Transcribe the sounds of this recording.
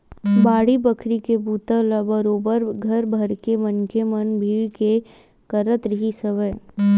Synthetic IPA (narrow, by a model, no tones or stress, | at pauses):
baːɽibɐkʰɾikebuːt̪əlɐbəɾoːbəɾɡʱɐɾbʱɐɾkemɐnkemɐnbʱiːɭke | kɐɾət̪ɾɪɦisɐʋə